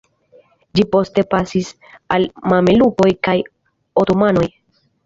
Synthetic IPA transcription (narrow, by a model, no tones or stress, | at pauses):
d͡ʒipo̞ste̞pasis | almameluko̞jkaj | otomano̞j